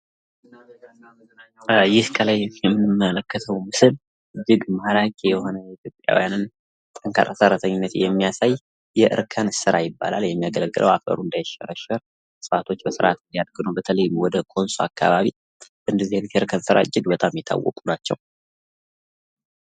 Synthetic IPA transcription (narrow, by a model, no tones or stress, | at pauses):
jɪhkʰəlajjɛmːɨnɨmːələkːət̪ʰəwmɨsɨl | ɨd͡ʒːɪɡmahlakʼejɛho̞nəjɛit̪ʰjo̞pʼːja̰wijanɨn | t̪ʼəŋkʰa̰ɾʼasəɾːat̪ʰəɲːɪnːət̪jɛmːijasaj | jɛʔɨ̰ɾkʰənsɨɾajɪbːa̰laljɛmːijaɡələɡːɨlʔə̰wafə̰ɾund̪ajʃɛ̰ɾəʃəɾ | sɨfat̪ʰo̞t͡ʃːbəsɨɾʔat̪ɨnd̪ijad̪̚ɡɨnubət̪ʰələjwɔd̪əkʰo̞nsoakʰːaβaβi | ɨnd̪əzːihɨnt̪ɨɾkʰənsɨɾa̰ɨd͡ʒːɪɡbət̪ʼamjɛt̪ʰa̰wːɔ̰kʼunat͡ʃːɛ̰w